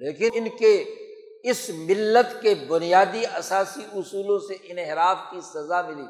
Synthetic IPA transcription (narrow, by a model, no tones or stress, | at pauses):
leːkɪɪnke | ɪsmɪlːət̪kebʊnijaːd̪iɐsaːsiʔʊsuːlõseʔɪnɦɪɾaːfkisɐzamɪlḭː